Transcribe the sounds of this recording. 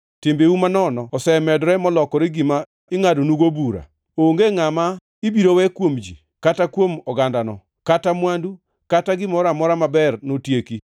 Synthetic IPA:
tɪmbeumanɔnɔɔsɛmɛdɾɛmɔlɔkɔɾɪɡɪma | ɪŋadonuɡobuɾa̰ | oŋɡeŋama | ibiɾowɛkwomd͡ʒḭ | katakwomɔɡandanɔ̰ | katamwandu | kataɡɪmɔɾamɔɾamabɛrnotjeki

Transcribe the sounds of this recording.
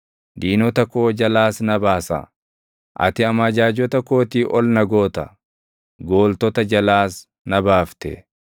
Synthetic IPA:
d̪iːnɔt̪ɐkoːd͡ʒɐlaːsnɐbaːsɐ̰ | ʔɐ̰t̪ɪɐmɐd͡ʒaːd͡ʒɔt̪ɐkoːt̪iːʔɔlnɐɡo̞ːt̪ɐ | ɡo̞ːlt̪ɔt̪ɐd͡ʒɐlaːs | nɐbaːft̪ɛ̰

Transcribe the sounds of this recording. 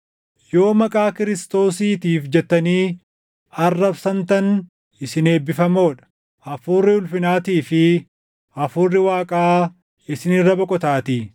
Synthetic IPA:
jo̞ːmɐkʼaːkɪɾɪst̪o̞ːsiːt̪iːfd͡ʒɛt̪ːɐniː | ɐrːɐbsɐnt̪ɐn | ɪsɪne̞ːbɪfɐmo̞ːᶑɐ̥ | ɐfʊːrːɪʊlfɪnaːt̪iːfɪ | ɐfʊːrːɪwaːkʼaː | ɪsɪnɪrːɐbɔkʼɔt̪aːt̪iː

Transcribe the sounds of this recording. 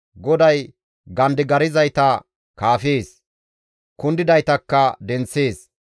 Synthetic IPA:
ɡɔd̪ɐj | ɡɐnd̪ɪɡɐɾɪzɐjt̪ɐ | kaːfe̞ːs | kʊnd̪ɪd̪ɐjt̪ɐkːɐd̪ɛnt͡sːeːs

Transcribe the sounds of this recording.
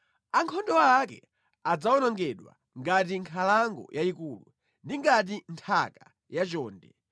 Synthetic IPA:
aŋkʰɔndɔwːkɛ | ad͡zaɔnɔŋɡɛɗwa̰ | ŋɡatiŋkʰalaŋɡɔ̰jʔaikuːlṵ | ndiŋɡat̬intʰaka | jat͡ʃɔːndɛ

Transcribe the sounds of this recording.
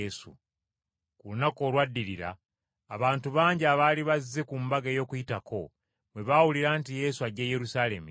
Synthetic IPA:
sṵ | kulunako̞ːlwadːiɾiɾa̰ː | βaːntuβaːɲɟiaβaːliβazːe̞kumbaɡejo̞ːkujitakʰo̞ | mwe̞βaːwuliɾaːntije̞suaɟeːjeɾusaːle̞mi

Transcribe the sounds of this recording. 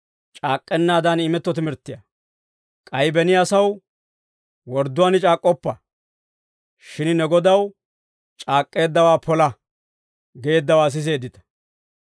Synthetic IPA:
t͡ʃʼaːkʼːɛnːaːd̪anɪmɛt̪ːɔt̪ɪmɪɾt̪ːɪjɐ̰ | kʼɐjbɛnɪjaːsɐw | wɔɾd̪ːʊwaːnɪt͡ʃʼaːkʼːɔpːɐ | ʃɪnnɛɡɔd̪ɐw | t͡ʃʼaːkʼːe̞ːd̪ːɐwaːpʰɔlɐ | ɡeːd̪ːɐwaːs̬ɪs̬e̞ːd̪ɪt̪ɐ̥

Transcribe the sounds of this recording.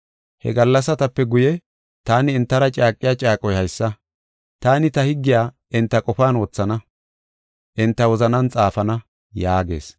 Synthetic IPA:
hɛ̰ɡɐlːɐsːɐt̪ɐpːɛɡʊjɛ | t̪aːnɪːnt̪ːɐɾɐt͡ʃʼaːkʼːɪjaːt͡ʃʼaːkʼɔjhɐjsːɐ | t̪aːnɪt̪ɐhɪɡːɪjaː | ʔɪnt̪ːɐkʼɔfaːno̞ːt͡sːɐnɐ | ʔɪnt̪ːɐwɔzɐnɐnt͡sʼaːfɐnɐ | jaːɡe̞̰ːs

